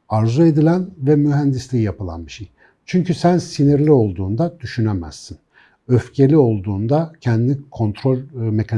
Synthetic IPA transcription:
aɾzue̞d̪ilʲænvɛmyɦænd̪islʲiːjapɯlˠa̰nbiʃej | t͡ʃʰyɲcysænsiniɾlʲio̞lˠd̪uːnd̪ad̪yʃynemæ̰z̥ːin | øfcʰe̞lʲio̞lˠd̪uːnd̪acʰænd̪inʲikʰo̞nt̪ʰɾo̞lʲme̞cʰan

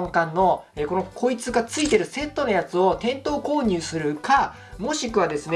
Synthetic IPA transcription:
ŋkãnːo̞eko̞no̞kʰo̞it͡sɨɡat͡sɨit̪e̞ɾɯ̟se̞t̪ːo̞nojat͡sɨo̞t̪ẽ̞nt̪o̞ːko̞ːɲ̟ɨːsɨɾɯ̟ka | mo̞ɕikɯ̟βad̪e̞sɨne

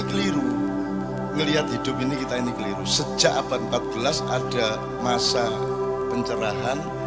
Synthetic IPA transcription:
kəliɾu | ŋəliɦat̪̚hidʊpinikit̪ainikəliɾusəd͡ʒaʔab̥at̪̚əmpat̪̚b̥əlasa̰d̥a | masa | pəɲt͡ʃəɾaɦan

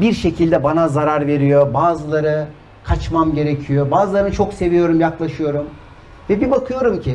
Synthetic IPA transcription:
biɾʃe̞cʰilʲd̪ɛbanazaɾaɾve̞ɾijo̞baːzɯlˠaɾɯ | kʰat͡ʃmamɟe̞ɾe̞cʰijo̞baːzɯlˠaɾɯnt͡ʃʰo̞kse̞vijo̞ɾumjaklˠaʃɯjo̞ɾum | vɛbibakʰɯjo̞ɾumcʰi

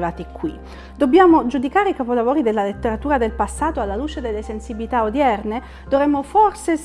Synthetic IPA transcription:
laːt̪ikːwi | d̪̥obːjaːmod͡ʒud̪ikaːɾeikapolavoːɾid̪elːalet̪ːeɾat̪uːɾad̪elpasːaːt̪oalːaluːt͡ʃed̪elːesensibilit̪aod̪jɛrne | d̪ovɾɛmːoforse

